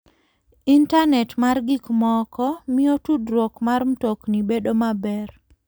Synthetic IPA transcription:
intanɛtmarɡikmɔkɔmɪotudɾwokmaɾm̩toknibedomabɛr

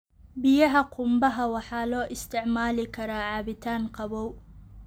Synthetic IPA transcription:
bɪjɐɦɐqʰʊmbɐɦɐwɑħɑːlɔːʔɪst̪ʰɪʕmaːlɪkʰɐɾaːʕɑːβɪt̪ʰaːnqɑβɔw

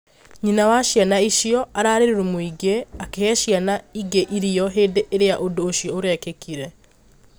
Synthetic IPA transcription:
ɲinawaʃjanaiʃiɔʔaɾaːɾeɾeɾumoiɡeakehɛʃjanaiɡeʔiɾiɔɦeːdeʔeɾejaʔondoːʃiɔoɾɛːkekiɾɛ

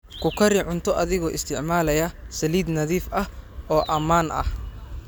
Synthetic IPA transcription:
kʰʊkʰɐɾɪʕʊnt̪ʰɔʔɐðɪɣɔːʔɪst̪ʰɪʕmaːlɐjɐsɐliːd̪nɐðiːfɐhʔɔːʔɐmaːnʔɐ̰h

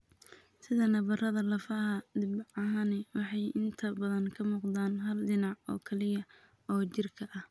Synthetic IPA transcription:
sɪðɐnɐbɐrɐðɐlɐfɐhɐd̪ɪbʕɑɦanɪwɑħɑjɪnt̪ʰɐbɐðɐŋkʰɐmuːqd̪aːnɦɐlɖɪnɑʕɔ̰ːkʰɐlɪjɐ | ɔːt͡ʃɪrkʰɐʔɐh

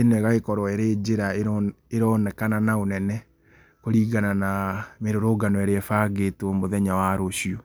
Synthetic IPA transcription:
enɛɣaɣekɔɾɔɛɾed͡ʑeɾaeɾ | eɾɔnɛkananaonɛnɛ | koɾiːɣananameɾoɾoɡanɔɛɾeɛfaɣetomoðɛɲawaɾoɕiɔ

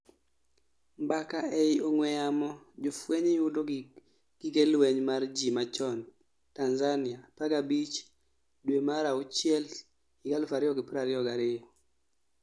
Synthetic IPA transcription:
mbakaʔɛɪoŋwɛjamɔ | d͡ʒofweɲejʊdo | ɡ̥iɡelwɛɲmard͡ʒimat͡ʃɔn | tanzanɪapaɡabit͡ʃ | dwemaɾaʊt͡ʃjɛl | ɪɡalfaɾɪɔɡɪpɾaɾɪɔɡaɾɪjɔ

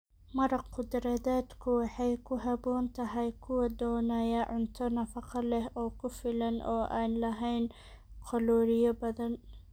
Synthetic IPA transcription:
mɐɾɑqʊd̪ɾɐðaːd̪kʰʊwɑħɑjkʰʊɦɐbɔːnt̪ʰɐɦɐjkʰʊwɐd̪ɔːnajɐʕʊnt̪ʰɔnɐfɑqʰɑlɛɦɔːkʰʊfɪlɐnʔɔːʔaːnlɐɦɛjn | qʰɔlɔːɾɪjɔbɐðɐn

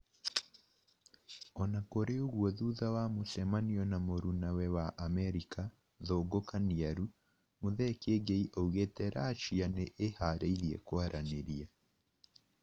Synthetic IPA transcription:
ɔnakoɾeoɣwɔðuðawamosɛmaniɔnamoɾunawɛwaʔamɛɾika | ðoɡokaniaɾu | moðɛkeɡeiʔouɣetɛɾaːt͡ʃianeʔehaɾeiðiɛ̰kwaɾʔaneɾia

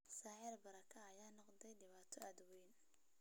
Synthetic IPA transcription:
saːħɛːlbɐɾɐkʰɐːjaːnɔqd̪ɛjɖɪβaːt̪ʰɔɐd̪wɛjn

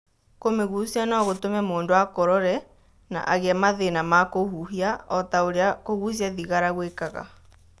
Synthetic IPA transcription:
komeɣusianɔɣotomɛmoːndoakɔɾɔɾɛ | na̰ʔaɣɛamaðenamakohuɦiaɔtaoɾeakoɣus̬iaðiɣaɾaɣwekaɣa̰

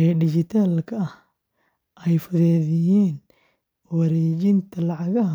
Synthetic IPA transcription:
ɛɖɪt͡ʃɪt̪ʰaːlkʰɐɐh | ʔɛjfʊðɛːðɪjiːn | wɐɾɛːt͡ʃɪnt̪ʰɐlɑʕɑɣɐɦɐ

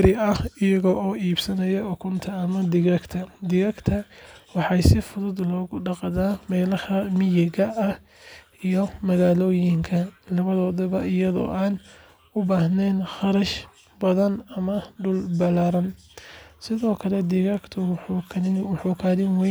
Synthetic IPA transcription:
ɾɪɐhɪjɐɣɔːʔɔːiːbsɐnɐjɐʊkʰʊnt̪ʰɐːmɐd̪ɪɣɐɡt̪ʰɐd̪ɪɣɐɡt̪ʰɐwɑħɑjsɪfʊðʊd̪lɔːɣʊɖɑqɑðaːmɛːlɐhɐmɪjɛɣɐʔɐh | ijɔmɐɣaːlɔːjɪŋkʰɐlɐβɐðɔːðɔβɐɪjɐðɔ̰ːʔaːn | ʊbaːhnɛːnχɑɾɐʃ | bɐðɐnɐmɐɖʊlbɐlaːɾɐn | sɪðɔːkʰɐlɛd̪ɪɣɐɡt̪ʰʊħkʰɪwħuːkʰaːðɪnwɛ

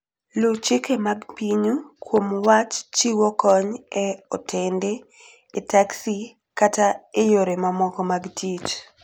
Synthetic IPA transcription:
lʊt͡ʃɪkemaɡpiɲukwomwat͡ʃt͡ʃiwɔkɔɲɛɔtʰendeː | taksi | kataejoɾemamɔkɔmaɡtʰit͡ʃ

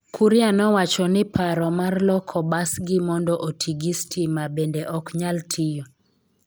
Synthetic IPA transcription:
kʰuɾjanɔwat͡ʃɔnɪpʰaɾɔmarlɔkʰɔbasɡɪmɔndɔʔotʰiɡistʰimabendeʔɔkɲaltʰijɔ

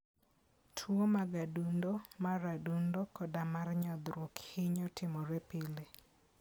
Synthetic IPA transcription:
tʰwomaɡadundomaɾadundokɔdamarɲɔd̪ɾwokhɪɲɔtʰɪmɔɾɛpile

